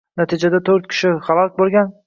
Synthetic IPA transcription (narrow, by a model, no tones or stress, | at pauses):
nat̪ʰid͡ʒad̪at̪ʰoɾt̪̚kʲʰɪ̥ʃɪχalˠɒk̚ʲbolˠɡʲan